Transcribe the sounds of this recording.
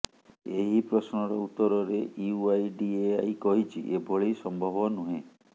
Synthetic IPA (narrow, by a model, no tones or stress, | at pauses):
eɦipɾɔsnɔɾɔut̪ːɔɾɔɾeʔiuajɖieajkɔɦit͡ʃʰiʔebʱɔɭejsɔmbʱɔbɔnuɦẽ